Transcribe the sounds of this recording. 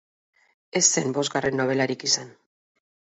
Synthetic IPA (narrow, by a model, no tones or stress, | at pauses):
e̞sːe̞mbo̞zɡare̞nːo̞β̞e̞laɾikisan